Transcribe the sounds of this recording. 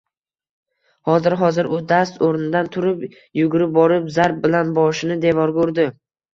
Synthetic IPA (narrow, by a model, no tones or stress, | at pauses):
hɒzɪɾɦɒzɪɾʔʊd̪ast̪oɾnɪd̪ant̪ʰʊɾɪp | jʊɡʊɾɪp̚bɒɾɪpzaɾp̚bɪlanbɒʃɪnɪd̪evɒɾkoʊɾd̪ɪ